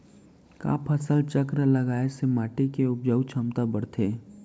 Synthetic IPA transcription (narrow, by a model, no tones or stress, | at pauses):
ka̰ːpʰɐsəlt͡ʃəkɾələɡaːesemaːʈikeʊp̚d͡ʒəwt͡ʃʰəmt̪abəɽt̪ʰeː